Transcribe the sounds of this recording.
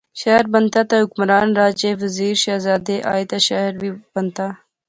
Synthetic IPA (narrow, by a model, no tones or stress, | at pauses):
ʃaɦɾbɐnt̪at̪aɦʊkmɾaːnɾaːd͡ʒeʋəziːɾʃaːzaːd̪eʔa̰ːjt̪aʃaɾbib̥ɐnt̪aː